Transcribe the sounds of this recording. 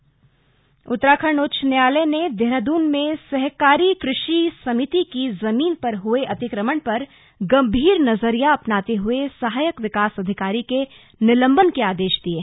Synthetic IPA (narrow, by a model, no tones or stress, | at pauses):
ʊt̪ːɾaːkʰəɾɳoːt͡ʃʰnjaːləned̪eɾəd̪uːnmẽsɛɦkaːɾikɾɪʃisɐmɪt̪ikizɐmiːnpɐɾɦʊeʔɐt̪ɪkɾəməɳpɐɾ | ɡɐ̃mbʱiːɾnɐzəɾijaɐpnaːt̪eɦʊesɐɦaːjəkʋɪkaːsɐd̪ʱɪkaːɾike | nɪlə̃mbənkeaːd̪eːʃd̪ieː